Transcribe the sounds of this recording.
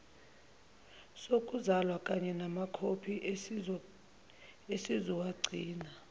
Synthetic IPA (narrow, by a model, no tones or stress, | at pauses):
sokʼuzalwakʼaɲɛnamakʰopʰi | esiziwaɡ͡ǀʱiːna